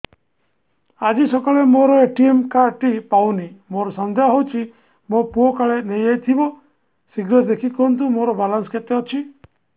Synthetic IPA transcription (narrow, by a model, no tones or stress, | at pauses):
ad͡ʒisɔkaɭemoɾɔeʈiemkaɾʈipawnimoɾɔsand̪ʱjaɦowt͡ʃʰi | mopuokaɭenejejt̪ʰibɔ | siɡɾɔd̪ekʰikɔɾɔnt̪̬umoɾɔbalansket̪eɔt͡ʃʰi